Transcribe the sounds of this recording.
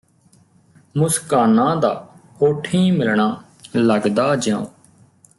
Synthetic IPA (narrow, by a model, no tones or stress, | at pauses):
mʊskaːnãːd̪a̰ːhoːʈʰĩːmɪlɳaː | ləɡd̪aːd͡ʒãːõː